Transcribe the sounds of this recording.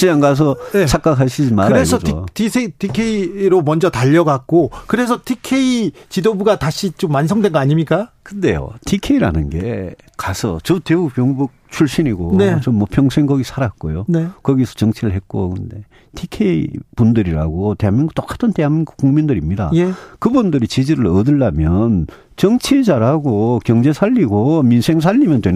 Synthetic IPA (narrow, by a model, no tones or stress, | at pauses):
t͡ɕiaŋɡas̬ʰʌet͡ɕʰak͈akʰaɕʰid͡ʑimaɾɯɾaɾesʰʌd͡ʑtisʰetʰikʰe̞iɾomʌnd͡ʑʌtaʎːʌɡak̚k͈okɯɾe̞sʰʌtʰikʰeit͡ɕidobuɡataɕʰit͡ɕomːansʰʌŋdwe̞nɡʌaɲimɲik͈akɯnde̞jo̰tʰikʰe̞iɾa̰nɯnɡe̞̰ | kasʰʌ̰t͡ɕʌteuk̚pjʌŋbuk̚t͡ɕʰuɭɕ͈iniɡoet͡ɕomːwʌpʰjʌŋsʰe̞ŋɡʌɡisʰaɾat̚k͈ojonekʌɡisʰʌ̥t͡ɕʌŋt͡ɕʰiɾɯɭɦe̞t̚k͈o̰kɯnde̞ | tʰikʰe̞ipundɯɾiɾaɡote̞ɦamjʌnɡɯt͈ok͈ḁtʰɯnteɦamjnɡkuŋmindɯɾimɲida̰jekɯbundɯɾit͡ɕid͡ʑiɾɯɭʌdɯɭdamjʌn | t͡ɕʌŋt͡ɕʰid͡ʑaɾaɡokjʌŋd͡ʑe̞sʰaʎːiɡominsʰe̞ŋs̬ʰaʎːimjʌntwen